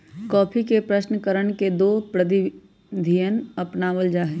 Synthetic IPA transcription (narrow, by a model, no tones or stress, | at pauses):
kɔːpʰikepɾəʃnəkəɾəɽ̃ked̪oːpɾəd̪i | d̪ʱijənɐpnaʋəld͡ʒaːɦɛː